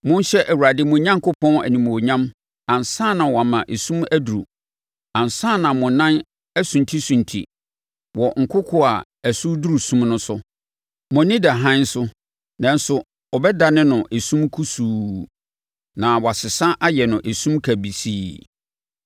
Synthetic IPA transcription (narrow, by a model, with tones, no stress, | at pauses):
mʊ̃˦n˦ɕɛ˦ʔæ˨wu˨ɾa˨dɪ˦mʊ̃˨ɲã˦ŋkʰʊ˦pʰɔ̃˦næ̰˨nĩ˨mo˨ɲã˦m | ã˨n˨sãː˦˨nã˨wɔ˨a˨mã˨ʔe˨sũ˦mæ˦du˨ɾṵ˨ | ã˨n˨sãː˦˨nã˨mʊ̃˨nã˦n | æ˦sũ˨n˨tʰi˦sũ˨n˨tʰḭ˨ | wɔ˨ŋ̩˨kʰʊ˦kʰʊ˦a˨ | æ˨su˦du˦ɾu˨sũ˦mnʊ̃˦sʊ˦ | mʊ̃˨nɪ̃˦da˨ɦã˦n̩˦sʊ˦ | nã˨n̩˦sʊ˨ | ɔ˨bɛ˦da˨nɪ̃˦nʊ̃˨ʔe˨sũ˦mkʰu˦suː˨ | nã˨wɔ˨a˨sɪ˨sã˦ʔa˦jɛ˨nʊ̃˨ʔe˨sũ˦mkʰæ˨bi˨siː˦